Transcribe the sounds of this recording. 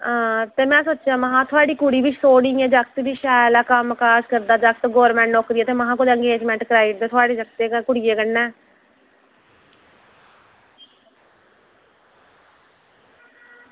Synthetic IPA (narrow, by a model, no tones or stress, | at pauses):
ãːt̪eːmɛ̃ːsoːtːt͡ʃãːməɦãːt̪ʰʊaːɖiːkʊɽiːʋɪt͡ʃʰsoːɽĩːɛ̃ːd͡ʒək̚t̪biʃɛːlaːkəmkaːd͡ʒkəɾd̪aːd͡ʒəkt̪ɡɔːɾmɛ̃ːɳʈnoːkɾɪiːɛːt̪eːməɦãːkʊd̪eə̃ŋɡeːd͡ʒmɛ̃ːɳʈkɾaːɪʈ̚d̪eːt̪ʰʊaːɖeːd͡ʒəkt̪eːkʊɽɪjeːkənːɛ̃ː